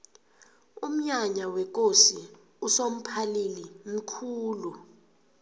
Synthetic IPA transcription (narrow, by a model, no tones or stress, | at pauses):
um̩ɲaɲawɛk̬ʼosi | usom̩pʰalilim̩kʰuːlu